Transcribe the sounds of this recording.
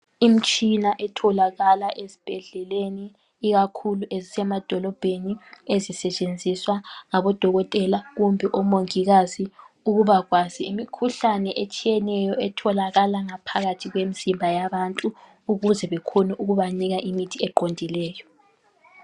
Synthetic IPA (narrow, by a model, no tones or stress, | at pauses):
im̩t͡ʃʼinaʔɛtʰɔlaɣalaʔezib̥ʱɛɮɛleniː | ɣakʰuluʔezisɛmad̥ʱɔlɔb̥ʱeniezisɛt͡ʃʼend͡zʱiswaŋaβɔd̥ʱɔɣɔtʼɛlaɣumbʱiʔɔmoŋiɣazi | uɣuβaɣwaziimikʰuɬanɛʔet͡ʃʼijɛnɛjɔɛtʰɔlaɣalaŋapʰaɣatʰiɣwemisimbʱajaβantʼuː | ɣuzɛβɛkʰonuʔuɣuβaniɣaʔimitʰiɛǃondʱilɛːjɔ